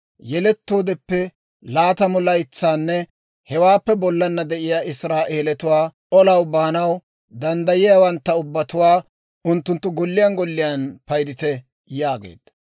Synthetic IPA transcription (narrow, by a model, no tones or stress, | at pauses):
jɛlɛt̪ːo̞ːd̪ɛpːɛ | laːt̪ɐmɔlɐjt͡sːaːnːɛ | hɛwaːpːɛbɔlːɐnːɐd̪ɛʔɪjaːʔɪsɾaːʔeːlɛt̪ʊwaːʔɔlɐwbaːnɐw | d̪ɐnd̪ɐjɪjaːwɐnt̪ːɐʊbːɐt̪ʊwaː | ʔʊnt̪ːʊnt̪ːʊɡɔlːɪjanɡɔlːɪjanpɐjd̪ɪt̪ɛ | jaːɡḛːd̪̥ɐ